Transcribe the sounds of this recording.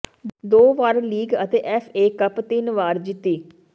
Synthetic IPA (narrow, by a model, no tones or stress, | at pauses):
d̪oːʋaːɾliːɡət̪eːʔɛpʰeːkəpt̪ɪnʋaːɾd͡ʒɪt̪ːiː